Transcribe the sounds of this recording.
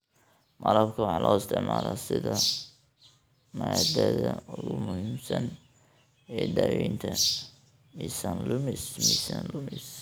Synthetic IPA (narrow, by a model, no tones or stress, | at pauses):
mɐlɐbkʰɐwɑħɑlʔɔːɪst̪ʰɪʕmaːlasɪðɐ | maːd̪ɛðɐʊɣʊmʊhiːmsɐn | ɛːd̪æːwiːnt̪ʰɐ | misɐnlʊmɪsmisanlʊmɪs